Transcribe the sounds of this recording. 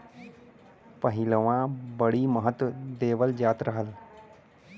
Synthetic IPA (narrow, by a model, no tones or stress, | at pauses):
pəɦɪləʋãbəɽiːməɦət̪ʋəd̪eːʋəld͡ʒaːt̪ɾəɦəl